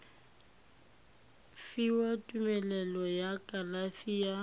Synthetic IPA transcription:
fiwatʼumɛlɛlɔjakʼalafiːa

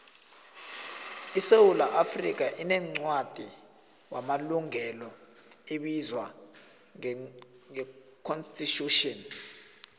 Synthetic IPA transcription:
isewulaʔafrik̬aʔinɛŋ͡ǀwad̥ʱi | wamaluŋɛlɔ | eɓizwa | ŋɛ | kʰɔnstʼitʰʼuʃɔn

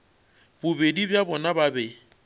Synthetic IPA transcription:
bʊbedibjabɔnababɛ

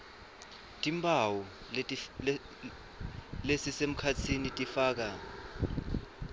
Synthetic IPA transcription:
tʼimbʰʱʼawu | lesisem̩kʰat͡sʰinitʼifaːk̬a

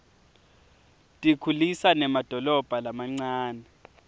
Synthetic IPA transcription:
tʼikʰulisanɛmad̥ʱɔlɔb̥ʱalamaŋ͡ǀaːnɛ

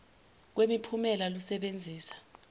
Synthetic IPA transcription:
k̬wemipʰumɛlalusɛɓend͡zʱiːsḁ

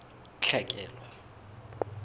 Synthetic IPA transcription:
t͡ɬʰɛkʼɛːlwa

